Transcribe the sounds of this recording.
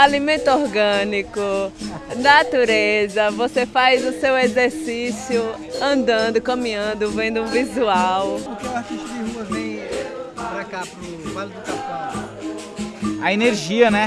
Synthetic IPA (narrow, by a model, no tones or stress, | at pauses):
alimẽnt̪ʊoɾɡɐ̃nikʊnat̪uɾezɐvosefajzʊsewezeɾsisiʊ | ɐ̃nd̪ɐ̃nd̪ʊkɐ̃mĩɐ̃nd̪ʊvẽnd̪ʊũvizuawpʊkeat̪iʃt̪ʊd͡ʒɪhuɐvẽj̃ | ɾakapuvalid͡ʒ̪ik̪asõ | ɐeneɾʒiɐnɛ